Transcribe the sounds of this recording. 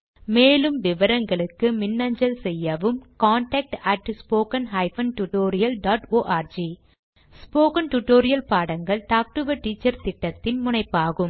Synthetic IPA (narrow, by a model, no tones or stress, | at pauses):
meːlɯmʋɪʋɐɾɐŋɡɐɭɯkːɯmɪnːɐɲd͡ʒɐlsɛjːɐʋɯmkaːɳʈɐk̚ʈɐʈspoːkɐnɦɐɪfɐnʈuʈoːɾɪjɐlɖaːʈoːʔaːɾd͡ʒi | spoːkɐnʈuʈoːɾɪjɐlpaːɽɐŋɡɐɭʈaːk̚ʈɯʋɐʈːiːt͡ʃːɐɾt̪ɪʈːɐt̪ːɪnmʊnɐɪpːaːɣɯm